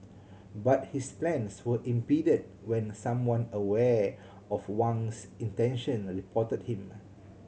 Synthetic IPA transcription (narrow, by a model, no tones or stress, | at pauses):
bat̚hisplɛ̃nswəʔĩmpidəd̚ | wɛ̃nsãmwãnəwɛ | ɔfwãnsĩntɛ̃nʃə̃nɹipʰɔtət̚hĩm